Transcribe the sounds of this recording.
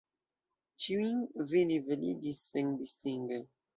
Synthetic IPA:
t͡ʃiwiŋvinivəlḭdisɛŋdist̪iŋɡə

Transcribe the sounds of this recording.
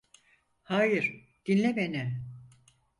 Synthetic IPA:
haːjɯɾ | d̪̥inlʲebenɛ

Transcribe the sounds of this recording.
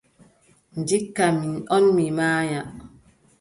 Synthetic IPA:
n̩dikːaminɔnmimaːja

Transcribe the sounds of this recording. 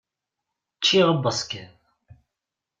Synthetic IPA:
t͡ʃːiʁəbəsˤkæð

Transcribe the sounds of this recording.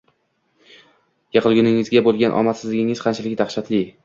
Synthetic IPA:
jɑqʰɨlˠɡʲʊnɪŋɪzɡʲabolˠɡʲanʔɒ̰mat̪sɪzlɪɡʲɪŋɪzqʰɑnt͡ʃʰalɪkʲd̪aχʃat̪lɪ

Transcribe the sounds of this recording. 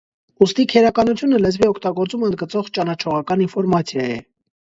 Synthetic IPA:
ust̪ikʰɛɾɑkɑnut͡sʰjunəlɛzviɔkʰt̪ɑɡɔɾt͡suməənd̪ɡət͡sɔʁt͡ʃɑnɑt͡ʃʰɔʁɑkɑninfɔɾmɑt͡sʰjɑjɛ

